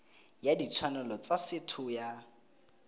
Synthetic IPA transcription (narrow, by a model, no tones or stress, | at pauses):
jadit͡sʰwanɔlɔt͡sasɪtʰʊja